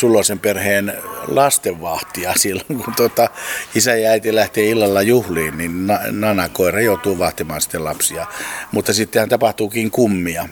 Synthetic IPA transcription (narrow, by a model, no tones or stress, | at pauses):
sulːosemperheːnlɑst̪eʋʋɑht̪iɑsilːoŋkunt̪uot̪ɑisæjɑæit̪ilæht̪eːilːɑlːɑjuhliːnninnɑnɑnɑkoirɑjout̪uːʋɑht̪imɑːnsi̥t̪ːelɑpsiɑmut̪ːɑsit̪ːehænt̪ɑpɑht̪uːkiːŋkumːiɑ